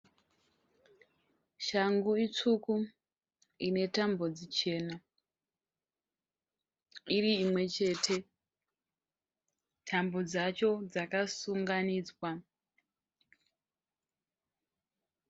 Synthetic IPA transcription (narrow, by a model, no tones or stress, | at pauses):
ʃaŋɡuit͡suku | ine̞tambo̞d͡zit͡ʃe̞ːna | iriːmwe̞t͡ʃe̞tʰe̞ | tʰambo̞d͡zat͡ʃo̞d͡zakasuŋɡaniːd͡zwa